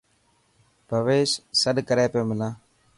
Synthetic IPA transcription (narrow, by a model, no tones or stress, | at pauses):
pəʋeːʃsəɗkəɾeːpeːmɪlãː